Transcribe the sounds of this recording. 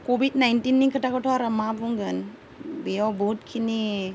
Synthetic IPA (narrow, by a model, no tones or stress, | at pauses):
kobid̚najntinːikʰətakʰɔtʰɔaɾamabuŋɡɯn | bijawbɔt̚kʰini